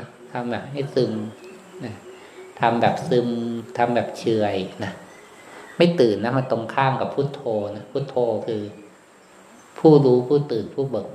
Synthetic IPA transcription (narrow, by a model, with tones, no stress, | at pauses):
t̪ʰa˧mbɛː˨˩p̚ha˥˩jsɯ˧m | na˦˥ | t̪ʰa˧mbɛː˨˩p̚sɯ˧mt̪ʰa˧mbɛː˨˩p̚t͡ɕʰɯ˨˩əjna˦˥ | ma˥˩jt̪ɯː˨˩nːa˦˥ma˧nt̪o˧ŋkʰaː˥˩mka˨˩pʰːuː˥˩t̪ʰoː˧na˦˥pʰuː˥˩t̪ʰoː˧kʰɯː˧ | pʰuː˥˩ɾuː˦˥pʰuː˥˩t̪ɯː˨˩npʰuː˥˩bu˨˩ək̚